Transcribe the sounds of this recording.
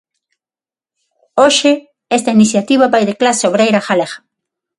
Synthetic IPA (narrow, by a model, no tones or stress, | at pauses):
oʃe | est̪ainiθjat̪iβaβajðeklasoβɾejɾaxaleɣḁ